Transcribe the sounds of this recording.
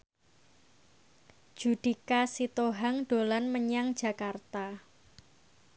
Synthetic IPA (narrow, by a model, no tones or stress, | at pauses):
ʒ̥ud̥ikasit̪oɦaŋɖ̥o̤lanməɲaŋd̥d͡ʒ̥a̤kart̪a